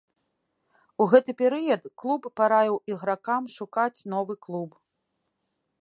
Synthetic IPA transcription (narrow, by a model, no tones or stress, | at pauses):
uɣɛt̪ɨpʲɛɾɨjɐt̪klˠupːaɾajʲiwiɣɾakamʂukat͡sʲnɔvɨklˠup